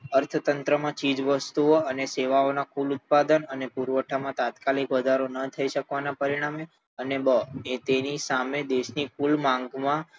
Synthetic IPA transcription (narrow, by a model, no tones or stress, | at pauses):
əɾt̪ʰt̪ənt̪ɾəmãt͡ʃid͡ʒʋəst̪uoəneseʋaonakulut̪̚pad̪ənənepuɾʋəʈʰamãt̪at̪kalikʋəd̪ʱaɾonət̪ʰəiʃəkʋanapəɾiɽ̃ame | ənebəet̪enisamed̪eʃnikʰulmãŋɡmã